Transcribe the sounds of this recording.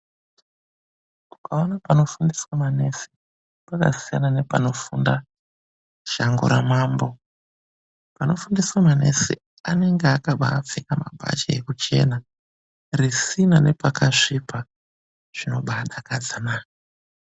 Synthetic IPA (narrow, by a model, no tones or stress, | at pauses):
u̥kaonapano̞fundiswamane̞si̥ | paka̰sijanane̞pano̞funda | ʃaŋɡṵɾamaːmbo̞ | pano̞fundiswamane̞̰sḭ | ane̞ŋɡeakaɓa̰ːp͡fikama̰bʱa̰t͡ʃeekut͡ʃe̞na | risinane̞pakaʂipa | ʐ̥ino̞ɓaɗakad͡zanaːk